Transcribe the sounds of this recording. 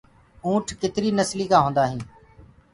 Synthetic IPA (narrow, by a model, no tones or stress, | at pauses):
ũːʈʰkɪt̪ɾiːnəsliːkãːɦõːnd̪aːɦĩː